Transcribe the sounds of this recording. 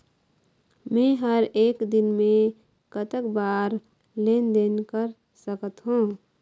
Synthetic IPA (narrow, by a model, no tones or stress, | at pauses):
mẽɦəɾeːkd̪ɪnmẽ | kət̪əkbaːɾ | leːnd̪enkəɾ | səkət̪ɦũː